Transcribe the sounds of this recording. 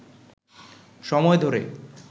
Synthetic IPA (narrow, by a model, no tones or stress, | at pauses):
ʃɔmɔed̪ʱoɾḛ